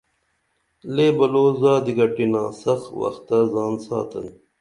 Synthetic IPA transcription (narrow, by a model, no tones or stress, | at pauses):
leːbɐloːzaːd̪iɡɐʈinãːsɐxwɐ̰xt̪ːɐzaːnsa̰ːt̪ən